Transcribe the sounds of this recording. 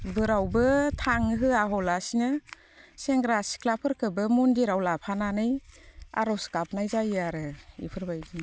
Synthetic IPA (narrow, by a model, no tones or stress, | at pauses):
bɯɾawbɯtʰaŋɦɯaɦɔlasinɯ | seŋɡɾasi̥kʰlapʰɯɾkʰɯbɯmɔndiɾawlapʰananɯja̰ɾɔwskap̚najzajaɾɯḭpʰɯɾbajdi